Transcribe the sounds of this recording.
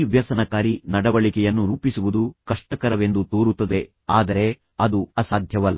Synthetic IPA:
ʋjɐsɐnɐkaːɾinɐɽɐʋɐɭikɛjɐnːuɾuːpisuʋud̪ukɐʂʈɐkɐɾɐʋe̞nd̪ut̪oːɾut̪ːɐd̪e̞ | aːd̪ɐɾe̞ | ɐd̪uɐsaːd̪ʱjɐʋɐlːɐ

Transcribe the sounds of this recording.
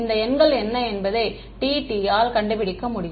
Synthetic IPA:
nd̪ɐɛnɡɐɭɛnːɐɛnbɐðɐɪ | ʈiːʈijaːlkɐɳɖɯpɪɽɪkːɐmʊɽɪj

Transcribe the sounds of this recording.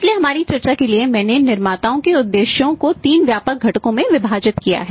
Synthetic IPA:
slieɦɐmaːɾit͡ʃɐɾt͡ʃakeliemɛ̃ːnenɪɾmaːt̪aːõkeʊd̪ːeːʃjõkot̪iːnʋjaːpək̚ɡʱɐʈkõmẽʋɪbʱaːd͡ʒɪt̪kija̰ɦɛː

